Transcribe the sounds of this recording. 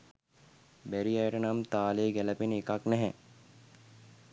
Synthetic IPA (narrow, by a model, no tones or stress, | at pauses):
bæɾiajəʈənamt̪aːleːɡɛləpenekaknɛɦɛ